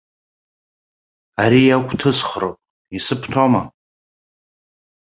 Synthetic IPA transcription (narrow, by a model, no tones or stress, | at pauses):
aɾiakʷʰʼtʰɨsχrowpʼ | isɨpʰtʰoma